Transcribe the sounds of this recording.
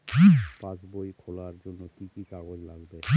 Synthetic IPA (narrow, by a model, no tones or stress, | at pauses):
pãsbojkʰɔlaɹd͡ʒonːɔkikikaɡozlaɡbe